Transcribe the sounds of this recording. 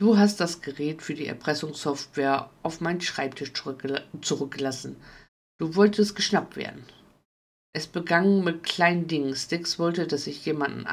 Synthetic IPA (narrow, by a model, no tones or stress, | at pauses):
d̥uːɦast̚d̥asɡ̥əʁɛːtfyːɐdiːɛ̰ɐpʁ̥ɛsʊŋsɔftv̥ɛːɐʔaʊfmaɪnənʃʁ̥aɪp̚tʰɪʃt͡suʁʏk̚ɡ̥əlasn̩ | d̥uːvɔltəst̚ɡ̥əʃnap̚tv̥ḛːɐdn̩ | ʔɛsb̥əɡaŋmɪtkʰl̥aɪnəndɪŋənstɪksv̥ɔltədasɪçjeːmandn̩ʔ